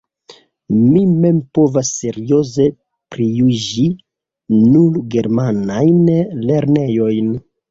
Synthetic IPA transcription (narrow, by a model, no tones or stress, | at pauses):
mime̞mpo̞vasːe̞ɾio̞ze̞ | pɾijud͡ʒi | nulɡe̞ɾmanajnle̞ɾne̞jo̞jn